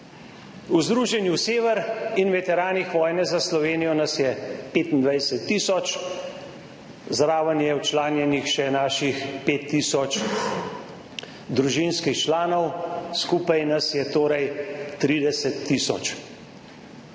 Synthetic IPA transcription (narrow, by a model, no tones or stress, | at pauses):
uzd̪ɾuːʒɛnjuseːʋɛɾinʋɛt̪ɛɾaːnixʋɔːjnɛzaslɔʋeːnijɔnasjɛpeːt̪ind̪ʋajsɛt̪ːiːsɔt͡ʃ | zɾaːʋənjɛwt͡ʃlaːnjɛnixʃɛnaːʃixpeːt̪ːiːsɔt͡ʃ | d̪ɾuʒinskixt͡ʃlaːnɔwskuːpajnasjɛt̪oːɾɛjt̪ɾiːd̪ɛsɛt̪ːiːsɔ̰t͡ʃ